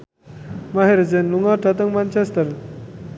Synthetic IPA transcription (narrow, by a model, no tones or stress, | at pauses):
maɦeɾd͡zenluŋɡaʈʰat̪̬əŋmant͡ɕest̪əɾ